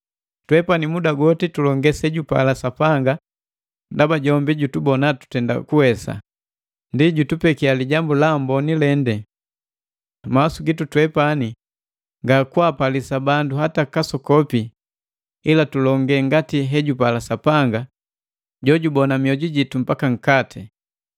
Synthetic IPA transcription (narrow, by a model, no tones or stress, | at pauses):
twɛpanimudaɡɔtitulɔŋɡɛsɛɟupa̰lasapaŋɡa | ndabaɟɔmbiɟutubɔnatu̥tɛnda̰kuhɛsa̰ | ndiɟutupɛkialiɟambulambɔnilɛndɛ | masuɡitutwɛpani | ŋɡakuapalisabanduɦatakasɔkɔpi | ilatulɔŋɡɛŋɡatiɦɛɟupalasapaŋɡa | ɟɔɟubɔnamiɔɟiɟitum̩pakaŋ̩katʰi